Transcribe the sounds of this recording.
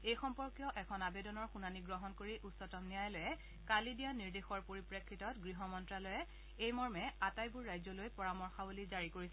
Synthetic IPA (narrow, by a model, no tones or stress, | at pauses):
ejxɔmpɔɹkjɔʔɛkʰɔnabedɔnɔɹxunaniɡɹɔɦɔnkoɹiʔutsɔtɔmnijajlojɛ | kalidijaniɹdexɔɹpoɹipɹekʰːitɔtɡɹiɦɔmɔntɹalojɛ | ejmɔɹmɛatajbuɹːajzɔlojpɔɹamɔɹxabulizaɹikoɹisɛ